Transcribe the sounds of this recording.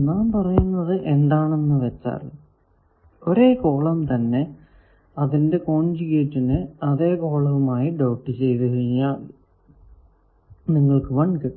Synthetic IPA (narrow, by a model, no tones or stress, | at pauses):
naːmpɐrɐjunːɐðɨʔe̞ɳɖaːɳenːɨʋet͡ɕːa̰ːrɨ̰ | oɾe̞ːko̞ːɭɐmt̪ɐnːe̞ | ɐðinde̞ko̞ːɳd͡ʑiɣeːtːinɨɐðe̞ːko̞ːɭɐʋumaːjiɖɐwʈːɨt͡ɕe̞jt̪ɨɦɐiɲːaːɭ | niŋːɐɭkɨʋɐɳkɨ